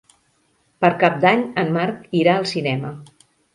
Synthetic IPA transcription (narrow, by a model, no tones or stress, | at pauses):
pəɾkap̚d̪aɲəmːaɾkiɾaəlˠsinɛmə